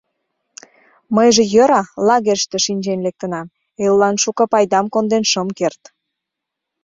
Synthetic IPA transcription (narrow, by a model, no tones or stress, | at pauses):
məjʒĕjøɾɑlɑɣeʃt̪ĕʃinʲd͡ʑenlek̚t̪ə̆nɑm | elːɑnʃukɤpɑjd̪ɑmkond̪enʃəmkert̪